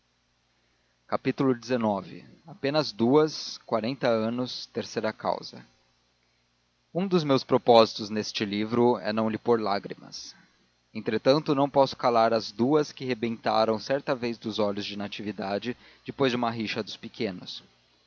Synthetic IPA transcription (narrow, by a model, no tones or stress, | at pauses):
kapit̪ulʊd͡ʒɪzenɔvɪ̰apẽnɐzd̪uɐskwaɾẽnt̪ɐɐ̃nʊst̪eɾsejɾɐka̰wzɐ | ũd̪ʊzmewspɾopɔzit̪ʊznest͡ʃɪlivɾʊɛ̰nɐ̃w̃lɪpoɾla̰ɡɾḭmɐ̰s | ẽnt̪ɾet̪ɐ̃nt̪ʊnɐ̃w̃pɔsʊ̥kalaɾɐzd̪uɐskɪɦebẽnt̪a̰ɾɐ̃w̃sɛɾt̪ɐvejzd̪ʊzɔʎʊzd͡ʒɪnat͡ʃivid̪ad͡ʒɪ | d͡ʒɪpojzd͡ʒɪũmɐɦiʃɐd̪ʊspɪkʰẽnʊs